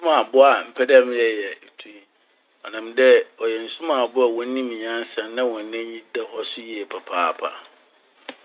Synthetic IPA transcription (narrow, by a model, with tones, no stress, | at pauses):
sʊ̃˦mã˨bʊ˦a˨m̩˨pʰɛ˦dɛ˦m̃˦jɛ˦jɛ˨tʰũ˦ | ɔ˨nã˨mdɛ˦ɔ˨jɛ˨n̩˨sʊ̃˦mã˨bʊ˦a˨wɔ̃˨˦nĩ˦mĩ˨ɲã˦n˦sã˨nnã˦wɔ̃˨nɛ̃˦ɲĩ˦dɛ˨hɔ˦sʊ˦ji˦ɛ˨pʰa˨pʰaː˦˨pʰa̰˨